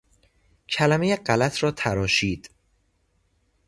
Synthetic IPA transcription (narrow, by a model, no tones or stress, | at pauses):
cʰælæmejeɢælæt̪ʰɾɒːt̪ʰæɾɒːʃiːd̪̥